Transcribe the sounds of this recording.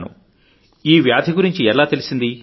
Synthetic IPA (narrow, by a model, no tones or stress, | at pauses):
nṵ | iːʋjaːd̪ʱiɡuɾiɲt͡ʃiɛlaːt̪e̞lisind̪i